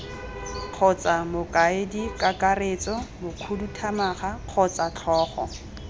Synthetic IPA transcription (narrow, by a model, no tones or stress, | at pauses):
q͡χʰɔt͡sʼamʊkʼaɪdikʼakʼaret͡sʼɔmʊkʰudutʰamaχaq͡χʰɔt͡sʼat͡ɬʰɔːχɔ̰